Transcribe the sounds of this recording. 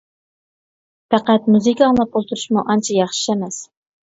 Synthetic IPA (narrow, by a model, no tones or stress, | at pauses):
pæqæt̪̚muzɨkʲɑŋlˠɑp̚olˠt̪ʰuɾuʃmuʔɑnt͡ʃʰɑjɑχʃi̥ʃɛmɛs